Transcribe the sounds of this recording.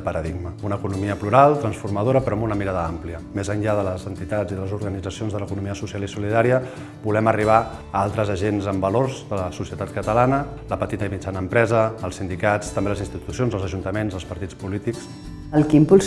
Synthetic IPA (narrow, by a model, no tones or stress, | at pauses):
pəɾəðiɡməunəːkunumiəpluɾalˠt̪ɾənsfurməðoɾəpɾɔəmbunəmiɾaðəampliəmezənʎaðələzənt̪it̪ad͡ziðələzuɾɣənid͡zəsionzðələkunumiəsusialisuliðaɾiə | bulɛməriβ̞a | əalˠt̪ɾəzəʒenzəmbəloɾzðələsusiət̪at̪̚kət̪əlanə | ləpət̪it̪əimit͡ʃanəːmpɾɛzəːlˠsind̪ikat͡st̪əmbeləzinst̪it̪usionzəlˠzəʒunt̪əmenzəlˠspəɾt̪it͡spulit̪iks | əlˠkimpuls